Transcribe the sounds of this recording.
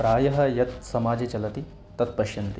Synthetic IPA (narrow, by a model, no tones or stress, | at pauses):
pɾaːjɐɦɐ̆jɐt̪sɐmaːd͡ʒɐt͡ʃɐlɐt̪i | t̪ɐt̪̚pɐʃjɐnt̪i